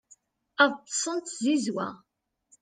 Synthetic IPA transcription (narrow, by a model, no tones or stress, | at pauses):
əðˤt̪ːə̥sˤənt̪zizwæ̰